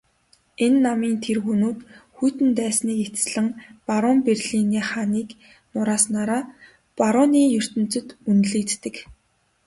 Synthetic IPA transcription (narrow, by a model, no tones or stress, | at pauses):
enːamiːnt̪ʰerxunuːt̪xujʰt̪ɘ̆nt̪æːsniːket͡s̪sɮə̆ŋpaɾʊmperɮiniːχaːniːk | mʊɾaːsnaɾaː | paɾɔniːjɵr̥ʲt̪ɘ̆n̥t͡sɘ̆t̪unɮiːkt͡st̪ːɘ̆k